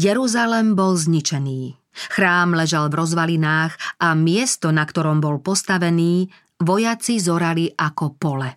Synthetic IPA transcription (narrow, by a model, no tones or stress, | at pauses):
jɛɾuzalɛmbɔlzɲit͡ʃɛniː | xɾaːmlɛʒalvɾɔzʋalinaːɣamɪɛst̪ɔnakt̪ɔɾɔmbɔlpɔst̪aʋɛniː | ʋɔjat͡sizɔɾaliʔakɔpɔlɛ